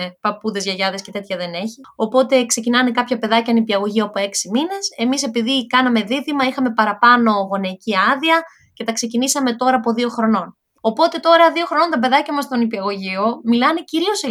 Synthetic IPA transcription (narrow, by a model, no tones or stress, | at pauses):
epɐpuðe̞zʝɐʝɐðesce̞t̪e̞t̪çɐðe̞ne̞çi | o̞po̞t̪e̞kse̞cinɐne̞kɐpçɐpe̞ðɐcɐnipiɐɣo̞ʝioɐpo̞e̞ksimine̞se̞mise̞piðikɐnɐme̞ðiðimɐixɐme̞pɐɾɐpɐno̞ɣo̞neiciɐðiɐ | ce̞t̪ɐkse̞cinisɐme̞t̪o̞ɾɐːpo̞ðio̞xɾo̞no̞n | o̞po̞t̪e̞t̪o̞ɾɐðioxɾo̞no̞nt̪ɐbe̞ðɐcɐmɐst̪onipiɐɣo̞ʝiomilɐne̞ciɾio̞se